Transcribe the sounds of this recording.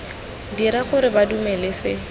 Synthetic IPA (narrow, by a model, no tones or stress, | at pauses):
diɾaχʊɾɪbadumɛlɪsɪ